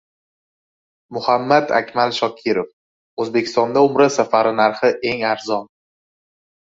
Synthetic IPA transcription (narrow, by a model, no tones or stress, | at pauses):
mʊhamːad̪a̰kʲmalʃɒkʲʰiɾof | ɵzbe̞kʲʰɪ̥st̪ɒnd̪aʊmɾasafaɾɪnaɾχɪʔe̞ŋaɾzɒn